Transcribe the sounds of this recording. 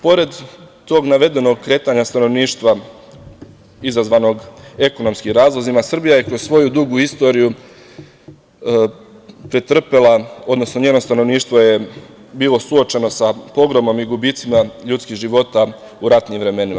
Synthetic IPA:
po̞ɾe̞d̪ː | o̞ːɡnaʋe̞d̪e̞no̞ɡ̚kːɾe̞ːt̪aɲast̪ano̞ʋniːʃt̪ʋa | izazʋaːno̞ɡe̞ko̞no̞mskimɾaːzlˠozimasr̩bijaje̞kɾossʋo̞jud̪uɡuist̪o̞ɾiju | pɾet̪r̩pelao̞d̪no̞sno̞ɲeːnost̪ano̞ʋniːʃt̪ʋo̞je̞ | biːlˠo̞suo̞t͡ʃe̞no̞sapo̞ɡɾomo̞miɡubiːt̪simaʎut̪skiːʒiʋo̞t̪a | uɾat̪niːmʋɾe̞me̞nima̰

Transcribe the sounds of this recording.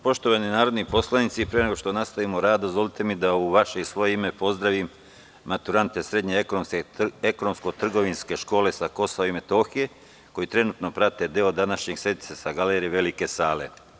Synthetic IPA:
po̞ʃt̪o̞ʋaninaːɾod̪nipo̞slˠanit̪sipɾene̞ɡo̞ʃt̪o̞nast̪aʋimoɾaːd̪d̪ozʋo̞lit̪e̞mid̪auʋaʃe̞isʋo̞jeime̞po̞zd̪ɾaʋim | mat̪uɾant̪e̞sɾe̞d̪ɲekonomseeko̞nomsko̞t̪r̩ɡo̞ʋinske̞ʃko̞ːle̞sako̞saʋoime̞t̪o̞ːxije̞ | ko̞jit̪ɾe̞nuːt̪no̞pɾat̪e̞d̪eo̞d̪anaʃɲeɡ̥sɾe̞d̪it̪sesaɡaleːɾijeʋe̞like̞saːle̞̰

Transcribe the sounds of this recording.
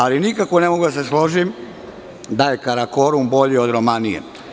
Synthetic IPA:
alinikakʋone̞moɡud̪aseslo̞ʒim | d̪ajekaɾako̞ɾumbo̞ʎiod̪ɾomanijḛ

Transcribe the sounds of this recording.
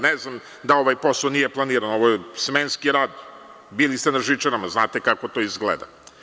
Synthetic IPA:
neznam | d̪ao̞ʋajpo̞sˠonijeplˠaniːɾanoʋojesmenskiɾaːd̪ | biːlist̪enaʒit͡ʃenamaznaːt̪ekako̞t̪o̞izɡlḛd̪a̰

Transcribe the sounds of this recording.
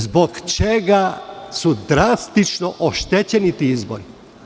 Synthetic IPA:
zbo̞ɡt͡ʃeɡasud̪ɾast̪it͡ʃnoʔoʃt̪et͡ɕenit̪iizbo̰ɾi

